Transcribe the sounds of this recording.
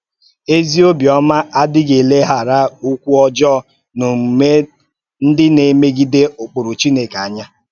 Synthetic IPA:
e˦zi˦o˦bjɔ˦ma˦ʔa˦dɪ˦ɡe˨le˦ɦa˨ɾa˦u˦kʷu˦ɔ˦d͡ʒɔ˦˨ | nʊ˨ŋ͡m̩˨me˦ | n̩˦dɪ˦ne˨me˦ɡi˦de˦ʊ˨k͡pʊ˨ɾʊ˨t͡ʃi˦ne˨ka˨ɲa˦

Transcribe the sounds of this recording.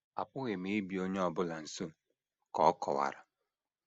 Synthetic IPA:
a̰˨pʊ˦ɣe˨me˨e˦bi˨o˦ɲe˦ɔ˨bʊ˦la˨n̩˨so˦ | kɔ̰˨˦ɔ˦kʰɔ˨wa̰˨ɾa˨

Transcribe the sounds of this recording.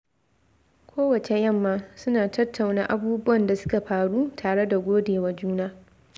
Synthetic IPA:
kʷʰoː˦wɐ˨t͡ʃe˨jɐ˦˨mːaː˦sʊ˦naː˨tɐ˦tʰːa˨wnaː˦ʔa˦buː˦bʊ˦wɐ˨nda˨sʊ̥˦ka˨ɸaː˨ɽuː˦tʰaː˨ɽe˦da˨ɡʷoː˦deː˨wa˦d͡ʒuː˦naː˦

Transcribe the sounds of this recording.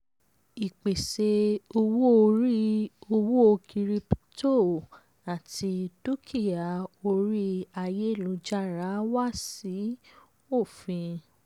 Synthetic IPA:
i˨k͡pe˨se˧o˧wo˦o˧ɾi˦o˧wu˦o˧kʰi˧ɾi˧pto˦˨ | a˨tʰi˧tu˦kʰi˦˨ja˨o˧ɾi˦a˧je˦˨lũ˨˧˦d͡ʒa˦˨ɾa˨˦wa˦si˨˦ | o˦˨fĩ˧

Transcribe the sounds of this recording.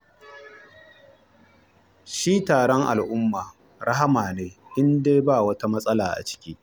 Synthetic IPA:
ʃiː˦taː˨ɽɔ˦ŋʔa̰˨lʔʊ˦mːaː˨ | ɾɐ˦ɦa˦maː˨neː˦ʔɪ˦ndeː˦baː˦˨wɐ˦ta˦mɐ˦sʼɐ˦la̰ː˨ʔa̰˨t͡ʃɪ̥˦kʲiː˦

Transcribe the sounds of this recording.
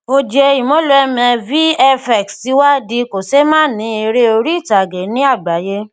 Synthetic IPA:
o˧d͡ʒe˧i˨mɔ̃˨˦lo˨˧ɛ˧mɛ̃˧vi˦ɛ˧fɛ˨ksti˨˦wa˦di˧ko˨se˦mãː˦˨nĩ˨˦e˧ɾe˦o˧ɾi˦i˦˨ta˨ɡe˨˦nĩ˦a˦˨ɡ͡ba˨˦je˦

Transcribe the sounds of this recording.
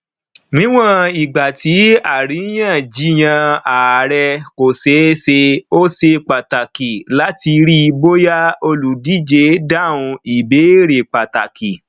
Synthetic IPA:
nĩ˦w̃ã˦˨i˨ɡ͡ba˨ti˨˦a˦˨ɾi˨˦j̃ã˦˨d͡ʒi˨˦j̃ã˧a˨ɾɛ˧ko˨se˨˦se˧o˦se˧k͡pa˨ta˨ki˨la˦ti˧ɾi˦˧bo˦ja˦o˧lu˨di˦˨d͡ʒe˨˦da˦˨ũ˧i˨be˨˦ɾe˨k͡pa˨ta˨ki˨

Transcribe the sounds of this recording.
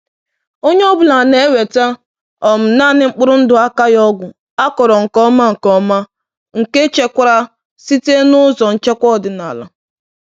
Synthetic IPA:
o˦ɲe˦ɔ˦bʊ˨la˨ne˨˦we˨ta˦ | ɔ˨m̩˨na˦˨nɪ˦ŋ͡m̩˦k͡pʊ˦ɾʊ˦n̩˦dʊ˨a˦ka˦jɔ˦ɡʷʊ˨ | a˦kɔ˨ɾɔ˨ŋ̩˨kɔ˦ma˦ŋ̩˨kɔ˦ma˦ | ŋ̩˨ke˦t͡ʃe˦kʷa˦ɾa˦ | si˦te˦nʊ˦zɔ˨n̩˨t͡ʃe˦kʷɔ˦˨dɪ˨na˨la˦

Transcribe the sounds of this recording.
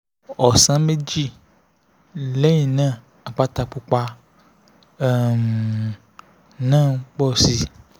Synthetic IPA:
ɔ˨sã˨˦me˦d͡ʒi˦ | le˨˦ɲĩ˨nã˦˨ | a˨k͡pa˦t̪a˨k͡pu˨k͡pa˧˨ | m | nãː˦˨k͡pɔ˦˨si˨

